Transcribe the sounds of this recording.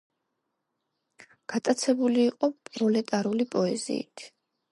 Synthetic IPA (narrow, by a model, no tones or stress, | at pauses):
ɡ̥at̪ʼat̪sʰɛbuliːqʼɔpʼɾɔlɛt̪ʼaɾulipʼɔɛzḭːt̪ʰ